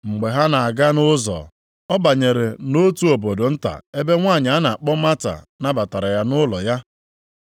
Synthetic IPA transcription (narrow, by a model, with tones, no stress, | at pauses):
ŋ͡m̩˨ɡ͡be˨ɦa˦na˨a˨ɡa˦nʊ˦zɔ̰˨ | ɔ˦ba˨ɲe˨ɾe˨no˦tu˦o˨bo˨do˨n̩˦ta̰˨e˦be˦ŋʷa˦˨ɲ˨a˦na˨a˨k͡pɔ˦ma˦ta̰˨ | na˦ba˨ta˨ɾa˨ja˦nʊ˦lɔ˨ja˦